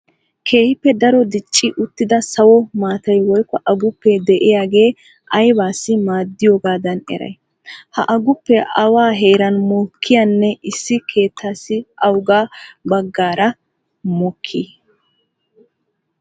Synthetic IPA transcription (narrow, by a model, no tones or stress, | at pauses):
kʰe̞ːhɪpːɛd̪ɐɾɔd̪ɪt͡ʃʼːɪʔʊt̪ːɪd̪ɐsɐwɔmaːt̪ɐjwɔjkːɔʔɐɡʊpːɛd̪ɛʔɪjaːɡe̞ː | ʔɐjbaːsːɪmaːd̪ːɪjoɡaːd̪ɐnɛ̰ɾɐ̰j | hɐ̰ʔɐɡʊpːɛʔɐwaːɦe̞ːɾɐnmɔkʰːɪjanːɛʔɪsːɪkʰe̞ːt̪ʰːaːsːɪɐwɡaːbɐɡːaːɾɐ | mɔkʰːi